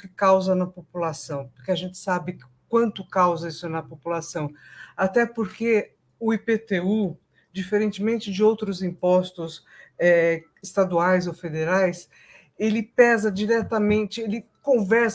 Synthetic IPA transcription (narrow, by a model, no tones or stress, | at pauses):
kɪkawzɐnɐpopulasɐ̃w̃poɾkeaʒẽnt͡ʃɪ̥sabɪ | kwɐ̃nt̪ʊkawzɐisʊnɐpopulasɐ̃w̃at̪ɛpoɾke | ʊipet̪eu | d͡ʒifeɾẽnt͡ʃɪmẽnt͡ʃɪd͡ʒɪowt̪ɾʊzĩpɔst̪ʊs | ɛ | ɪst̪ad̪uajzowfed̪eɾajs | elɪpɛzɐd͡ʒiɾɛt̪ɐmẽnt͡ʃɪelɪ | kõvɛɾs